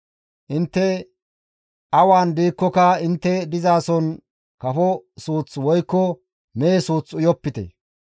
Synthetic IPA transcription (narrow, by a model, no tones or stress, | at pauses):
ʔɪnt̪ːɛ | ʔɐwaːnd̪iːkːɔkɐɪnt̪ːɛd̪ɪzaːsɔn | kɐfɔsuːt͡swɔjkːɔ | meːsuːt͡sʊjɔpːɪt̪ɛ̰